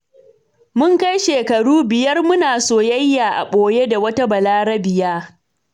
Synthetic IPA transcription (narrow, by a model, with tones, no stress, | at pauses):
mʊ˦ŋkɐ˦jʃeː˨kɐ˨ɽuː˦bɪ˨jɐ˦rmʊ˦naː˨soː˦˨jɐ˦jːaː˨ʔa̰˨ɓoː˨je˦da˨wɐ˦ta˦bɐ˨laː˦ɽɐ˦bɪ˨jaː˦